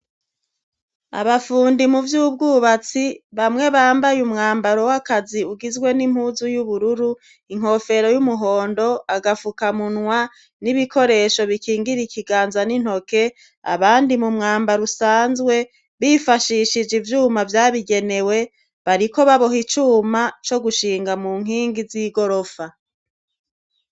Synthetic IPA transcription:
a̰βafuːndimuvjuːb̚ɡuːβat͡siβamŋe̞βaːmbajumŋaːmbaɾo̞wakaziuɡizɡwe̞nim̥huzujuβuɾuɾu | iŋ̥ho̞fe̞ɾo̞jumuɦo̞ːndo̞aɡafukamunŋwa | niβikʰo̞ɾe̞ʃo̞βikʰiːŋɡiɾikiɡaːnzanin̥ho̞ke̞ | a̰βaːndimumŋaːmbaɾusaːnzɡwe̞ | βifaʃiʃid͡ʒivjuːmavjaːβiɡe̞ne̞we̞ | βaɾiko̞βaβo̞ɦit͡ʃuːmat͡ʃo̞ɡuʃiːŋɡamuŋ̥ɦiːŋɡiziɡo̞ɾo̞fa

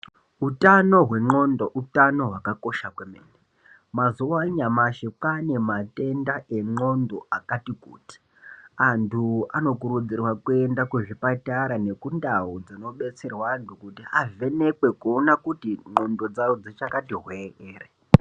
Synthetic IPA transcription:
utano̞ɦwe̞ŋ͡ǃondoutano̞ɦwakako̞ʃakwemḛːni | mazuwaɲamaʃekane̞mate̞ndaʔe̞ŋ͡ǃo̞ndo̞akatikṵːti̥ | antʰuano̞kuɾud͡zirwakue̞ndakweʐipataɾane̞kundaɦod͡zino̞ɓe̞t͡serwantukutiave̞ne̞kwe̞konakutiŋ͡ǃo̞ndo̞d͡zawod͡zit͡ʃakatiɦweeːre

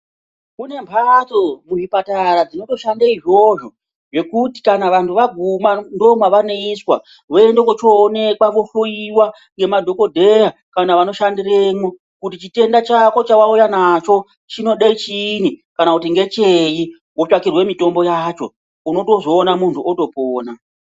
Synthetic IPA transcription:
kune̞mpʰatomuʐipataɾad͡zino̞to̞ʃandaiʐo̞ʐo̞ | ʐe̞kuti̥kanaʋantuʋaɡʱumando̞mwaʋaneiswa | ʋoe̞ndekot͡ʃoːne̞kwaʋo̞ɬoiwa | ŋɡe̞madʱo̞ko̞dʱe̞ja | kanaʋano̞ʃandiremo | kutit͡ʃite̞ndat͡ʃako̞t͡ʃawaujanat͡ʃo̞ | t͡ʃino̞ɗait͡ʃinikanakutiŋɡe̞t͡ʃeji | wot͡ʃakirwe̞mito̞mbo̞jat͡ʃo̞̰ | uno̞to̞zo̞ːnamuntʰuoto̞poːna

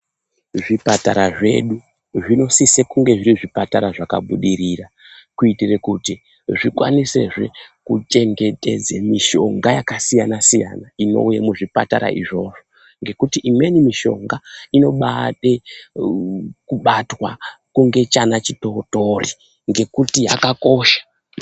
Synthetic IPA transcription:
ʐipataɾaʐe̞̰ɗu | ʐino̞sisekuŋɡe̞ʐiriʐipataɾaʐaka̰ɓuɗiriːra | kuitire̞kuti | ʐikwa̰nise̞̰ʐe̞̰kut͡ʃe̞ŋɡe̞te̞̰d͡zemiʃo̞̰ŋɡajakasijanasija̰naino̞̰ujamuʐipata̰ɾa̰ḭʐo̞ʐo̞ | ŋɡe̞kutiʔimwenimiʃo̞̰ŋɡaino̞ɓate | kuɓatwakuŋɡe̞t͡ʃanat͡ʃito̞ːto̞ri | ŋɡe̞kutiɦa̰kako̞ʃḁ

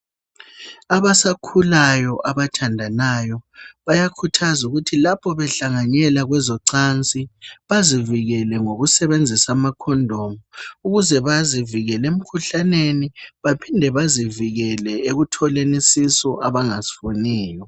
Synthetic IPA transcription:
aβasakʰulajɔʔaβatʰandʱanajɔβajakʰutʰazuɣutʰilapʰɔβɛɬaŋaɲɛlaɣwɛzɔǀant͡sʼiβaziviɣɛlɛŋoɣusɛβend͡zʱisamakʰɔndʱɔmɔuɣuzɛβaziviɣɛlem̩kʰuɬaneniβapʰindʱɛβaziviɣɛlɛeɣutʰɔlenisisɔʔaβaŋasi̥funɛːjɔ

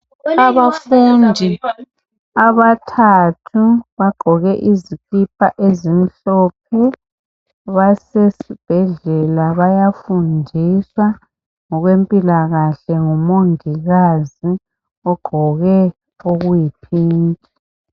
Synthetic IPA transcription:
aβafuːndʱi | aβatʰatʰuβaɡ͡ǃ̥ʱɔɣɛʔizikipʰaʔezim̩ɬɔp̚ʰɛ | βasesib̥ʱɛɮɛlaβajafundʱiswa | ŋɔɣwempʼilaɣaɬɛŋɔmoŋiɣazi | ɔɡ͡ǃ̥ʱɔɣɛ | oɣujipʰiːntʼi

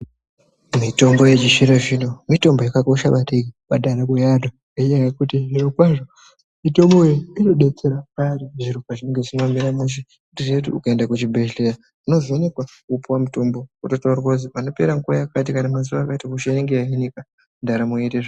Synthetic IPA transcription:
mito̞mbo̞jed͡ʒiʃiɾaʐino̞mito̞mbo̞jakako̞ʃaɓatekiɓadʱaɾakujadwa | eijajekutiʐinorokwaʐo | mito̞mbojeino̞ɗe̞t͡se̞ɾakaɾiʐiɾokaʐineŋɡeʐinamiɾamuʃ̬i | kundiredṵːkaendakut͡ʃibʱeʃɬeja | uno̞zonekwakupuwamuto̞mbo̞kutotaurwozipano̞pe̞ɾaŋkuajakat̬ikanamazuʋaːkaitakuʃaeŋɡeaɦinika | ndaɾamoeteʐ

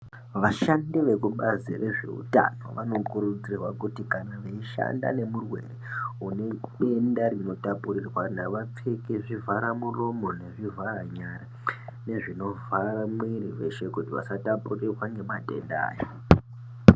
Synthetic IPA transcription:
ʋaʃandiʋe̞kuɓazire̞ʐe̞̰ṵta̰no̞̰ʋano̞kuɾud͡zirwakutikanaʋeiʃa̰nda̰ne̞murwe̞̰reune̞ɓe̞ndarino̞tapurirwanaʋap͡fekeʐivʱaɾamuro̞mo̞ne̞ʐivʱaɾaɲara | ne̞ʐino̞vʱaramwiriʋe̞ʃe̞kutiʋa̰satapurirwaŋɡe̞matʼe̞̰nda̰ːjo

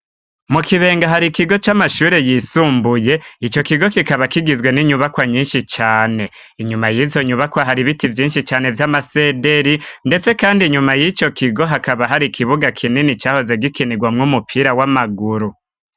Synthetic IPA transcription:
mukiβe̞ːŋɡaɦaɾikiɡo̞t͡ʃamaʃuːɾe̞jisuːmbuje̞it͡ʃo̞kiɡo̞kikaβakiɡizwe̞niɲuβakwaɲiːnʃit͡ʃaːne̞ | iɲumajizo̞ɲuβakwaɦaɾiβitivjiːnʃit͡ʃaːne̞vjamase̞de̞ɾinde̞t͡se̞kaːndiɲumajit͡ʃo̞kʰiɡo̞ɦakaβaɦaɾikʰiβuɡakʰininit͡ʃaːho̞ze̞ɡikʰiniɡwamŋumupʰiɾawamaɡuɾu

